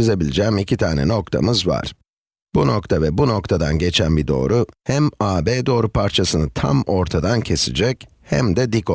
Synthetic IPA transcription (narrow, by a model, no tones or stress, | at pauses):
ize̞bilʲid͡ʒɛːmicʰit̪ʰaːnɛ̰no̞kt̪ʰa̰mɯzva̰ɾ̥ | b̥uno̞kt̪ʰavɛbuno̞kt̪ʰad̪anɟe̞t͡ʃʰænbid̪o̞̰ːɾuhæmaːbeːd̪o̞ːɾupʰaɾt͡ʃʰasɯnɯt̪ʰa̰mo̞ɾt̪ʰad̪ancʰe̞sid͡ʒɛc | hæ̰md̪ɛd̪ikʰo